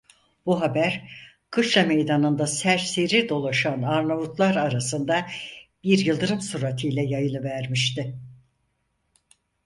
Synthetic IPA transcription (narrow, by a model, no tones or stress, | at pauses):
buɦabæɾ | kʰɯʃlˠamejd̪anɯnd̪asæɾseɾiɾd̪o̞lˠaʃanaɾnavut̪lˠaɾaɾasɯnd̪abiɾjɯlˠd̪ɯɾɯmsuɾat̪ʰɯjlʲɛjajɯlˠɯvæɾmiʃt̪ɪ